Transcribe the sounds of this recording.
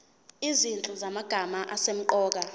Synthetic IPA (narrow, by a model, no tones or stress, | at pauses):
izint͡ɬʼuzamaɡ̥ʱamaʔasem̩ǃɔːk̬a